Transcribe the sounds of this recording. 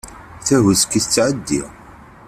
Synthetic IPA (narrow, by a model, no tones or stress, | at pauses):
θæɦəskːiθət͡sːʕəd̪ːḭ